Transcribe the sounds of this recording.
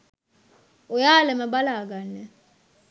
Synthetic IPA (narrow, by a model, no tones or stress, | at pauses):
ujalɛmaɓalak̬anɛ